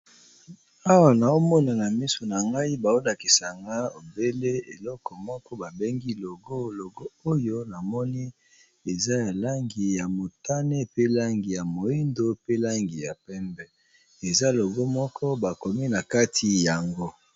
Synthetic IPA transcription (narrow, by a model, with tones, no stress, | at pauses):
a˦wa˨na˨o˦mɔ˦na˨na˨mi˦so˨na˨ŋɡa˦i˦ba˨o˦la˨ki˨sa˨ŋɡa˦o˨be˦le˦e˨lɔ˦kɔ˨mɔ˦kɔ˦ba˨be˦ŋɡi˦lo˨ɡo˦lo˨ɡo˦o˦jo˦na˨mɔ˦ni˦ | e˨za˦ja˨la˦ŋɡi˨ja˨mo˨ta˦ne˦pe˦la˦ŋɡi˨ja˨mo˨i˦ndo˦pe˦la˦ŋɡi˨ja˨pɛ˦mbɛ˦ | e˨za˦lo˨ɡo˦mɔ˦kʰɔ˦ba˨ko˨mi˦na˨ka˦tʰi˨ja˨ŋɡo˦